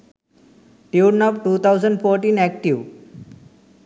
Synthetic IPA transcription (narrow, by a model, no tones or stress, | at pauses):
ʈiːɖnɔpʈuːt̪ʰaʊzə̃ɳɖfoːɾʈĩːnɛk̚ʈiʋ